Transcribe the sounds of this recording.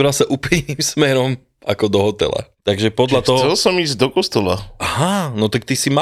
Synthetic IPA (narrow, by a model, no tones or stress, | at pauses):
ɾasaʔuplijniːmsmɛɾɔm | ʔakɔd̪ɔɦɔt̪ɛ̰la̰t̪aɡʒɛpɔd̪ʎat̪ɔɦsɛlsɔmiːzd̪ɔkɔst̪ɔla̰ʔaɦanɔt̪ak̚t̪isima